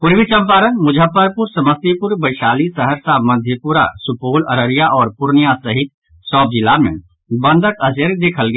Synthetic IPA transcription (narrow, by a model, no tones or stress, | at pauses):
pʊɾʋit͡ʃɐmpaːɾənmʊd͡ʒʱəpəɾpʊɾsɐməst̪ipʊɾbɐɪʃaːlisəɦəɾsamɐd̪ʱjəpuɾa̰sʊpoːlɐɾəɾijaʔɔːɾpʊɾnijasɐɦɪt̪ | sɔːb̚d͡ʒɪlamḛ̃ | bɐ̃nd̪ʱəkɐseɾd̪eːkʰəlɡɐ